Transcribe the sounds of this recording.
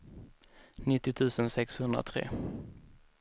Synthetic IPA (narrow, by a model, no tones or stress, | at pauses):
nɪt̪ːɪt̪ʰʉ̟ːsənsɛkshɵnd̪ɾa̰t̪ʰɾḛː